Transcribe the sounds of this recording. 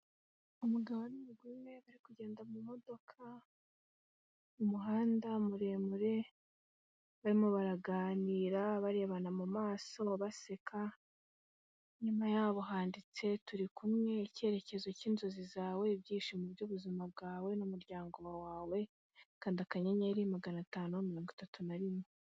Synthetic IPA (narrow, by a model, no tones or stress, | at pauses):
umuɡaβaniɡwiːme̞βaɾikuɟe̞ːndamumo̞do̞kʰa | umuɦaːndamuɾe̞ːmuɾe̞ | βaɾimoβaɾaɡaːniːɾaβaɾe̞ːβanamumaːso̞βase̞kʰa | ɲumajaːβoɦaːndit͡se̞tuɾikumŋe̞ce̞ɾe̞ce̞zociːnzo̞zizaːwe̞bjiːʃimuβɟuβuzimab̚ɡaːwe̞numuɾɟaːŋɡo̞wawaːwe̞ | kaːndiakaɲeɲaɾimaɡanataːnumiɾo̞ːŋɡitatunaɾime